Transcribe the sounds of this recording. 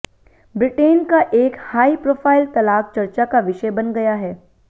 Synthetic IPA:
bɾɪʈeːnkaʔeːkhaːipɾoːfʰaːɪlt̪ɐlaːk̚t͡ʃɐɾt͡ʃakaʋɪʃəbɐnɡɐjaɦɛː

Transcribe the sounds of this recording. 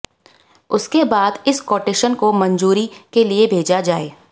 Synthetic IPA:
ʊskebaːd̪ɪskɔːʈeːʃənkomɐ̃ɲd͡ʒuːɾikeliebʱeːd͡ʒad͡ʒaːeː

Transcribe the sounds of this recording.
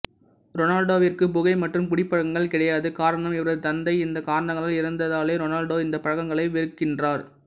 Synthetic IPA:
ɾɔnaːlɖoːʋɪrkɯpʊɣɐɪmɐʈrɯmkʊɽɪpːɐɻɐɣɐŋɡɐɭkɪɽɐjaːðɯkaːɾɐɳɐmɪʋɐɾɐðɯt̪ɐnd̪ɐɪɪnd̪ɐkaːɾɐɳɐŋɡɐɭalɪɾɐnd̪ɐðaːleːɾɔnaːlɖoːɪnd̪ɐpɐɻɐɣɐŋɡɐɭɐɪʋɪɾɯkːɪndraːɾ

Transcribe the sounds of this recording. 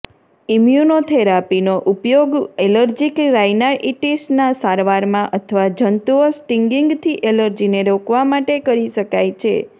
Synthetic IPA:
imjunot̪ʰeɾapinoʔupjoɡeləɾd͡ʒikɾajnaɾʔiʈesnasaɾʋaɾmãʔət̪ʰəʋad͡ʒənt̪uʋəsʈiŋɡiŋɡt̪ʰiʔeləɾd͡ʒineɾokʋamaʈekəɾiʃəkajt͡ʃʰḛ

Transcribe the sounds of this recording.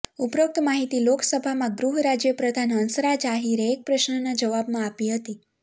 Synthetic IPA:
upɾək̚t̪maɦit̪iloksəbʱamãɡɾuɦɾad͡ʒjəpɾəd̪ʱanɦənsɾad͡ʒaɦiɾeek̚pɾəʃnənad͡ʒəʋabmãapiɦət̪i

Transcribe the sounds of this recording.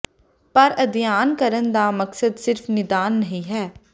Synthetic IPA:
pəɾəd̪ɪjaːnkəɾənd̪aːməksəd̪sɪɾfʰnɪd̪aːnːəɦĩːɦɛː

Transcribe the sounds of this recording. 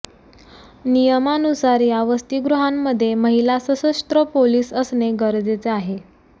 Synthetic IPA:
nijəmanusaɾiːaʋəst̪iɡɾuɦamːəd̪ʱːjeməɦilasəsəsʈ̪ɾəpoliːsəsneɡəɾd͡zet͡seaɦe

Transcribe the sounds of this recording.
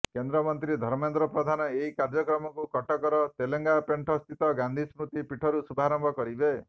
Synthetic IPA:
kend̪ɾɔmɔnt̪ɾid̪ʱɔɾmend̪ɾɔpɾɔd̪ʱanɔeɦikaɾd͡ʒɔkɾɔmɔkukɔʈɔkɔɾɔt̪eleŋɡapeɳʈʰɔst̪ʰit̪ɔɡand̪ʱismɾut̪ipiʈʰɔɾusubʱaɾɔmbʱɔkɔɾibe

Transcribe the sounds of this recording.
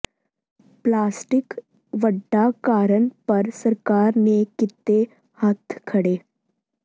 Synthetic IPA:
plaːsʈɪk | ʋəɖːakaːɾənpɐɾsɐɾkaːɾnekɪt̪ːe | hət̪ʰkʰɐɽeː

